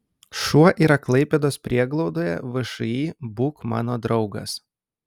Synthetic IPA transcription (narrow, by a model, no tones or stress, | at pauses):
ʃuɔʔiːɾɐklˠɐɪpʲɛd̪oːspʲɾʲiɛɡlˠɒʊd̪oːjɛ̰ʋɨʃɐiːbuːkmɑ̰ːnoːd̪ɾɒʊɡɐ̰s